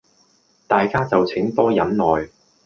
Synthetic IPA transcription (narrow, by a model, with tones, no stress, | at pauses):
t̪aː˨jkaː˥t͡sɐ˨wt͡sʰɪ˨˥ŋt̪ɔː˥jɐ˨˥nnɔː˨j